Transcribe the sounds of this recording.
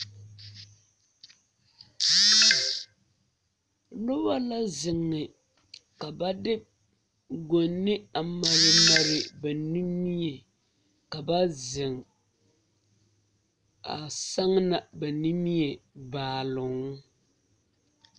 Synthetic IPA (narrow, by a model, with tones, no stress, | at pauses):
nʊ˦ba˦la˦zɪ˨ŋːɪ˨ | ka˨ba˦dɪ˦b̚ | ɡo˨nːɪ˦a˨ma˦ɾɪ˦ma˦ɾɪ˦ba˨ni˦mi˦ɛ˨ | ka˨ba˦zɪ˨ŋ | a̰˨sa˦ŋna˨ba˨ni˦mi˦jɛ˨baː˨lʊ˨ŋ˦